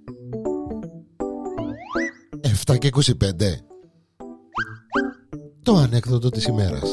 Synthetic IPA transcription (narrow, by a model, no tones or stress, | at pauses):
eft̪ɐceiko̞sipe̞nd̪e̞ | t̪o̞ɐne̞kθotd̪ot̪isime̞ɾɐ̰s